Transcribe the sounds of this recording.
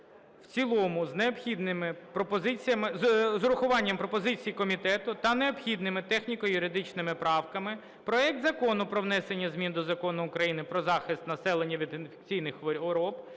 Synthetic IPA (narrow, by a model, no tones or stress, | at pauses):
wt͡sʲilˠɔmʊzneɔpxʲid̪nɪmɪpɾɔpɔzɪt͡sʲijɐmɪzzɾʊxʊʋɑnʲːɐmpɾɔpɔzɪt͡sʲijikɔmʲit̪ɛt̪ʊt̪ɐneɔpxʲid̪nɪmɪt̪ɛxnʲikɔjʊɾɪd̪ɪt͡ʃnɪmɪpɾɑwkɐmɪ | pɾɔɛk̚t̪zɐkɔnʊpɾɔʋnɛsenʲːɐzmʲind̪ɔzɐkɔnʊʊkɾɐjinɪpɾɔzɑxɪst̪nɐsɛlˠenʲːɐʋʲid̪ɪnfe̥kt͡sʲijnɪxʋɔɔɾɔp